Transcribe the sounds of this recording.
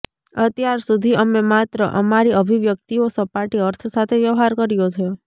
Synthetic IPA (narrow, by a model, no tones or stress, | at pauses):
ət̪jaɾsud̪ʱiəmemat̪ɾəʔəmaɾiəbʱiʋjək̚t̪iosəpaʈiəɾt̪ʰsat̪ʰeʋjəʋɦaɾkəɾijot̪ʰəjo